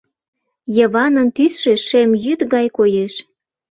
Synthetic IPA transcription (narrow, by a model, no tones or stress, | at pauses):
jɤβɑnə̆nt̪ysʃeʃemjyt̪ɣɑjkojeʃ